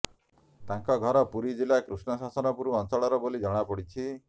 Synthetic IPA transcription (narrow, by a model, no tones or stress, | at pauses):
t̪aŋkɔɡʱɔɾɔpuɾid͡ʒilakɾusɳɔsasɔnɔpuɾuɔnsɔɭɔɾɔbolid͡ʒɔɽ̃apɔɽit͡ʃʰi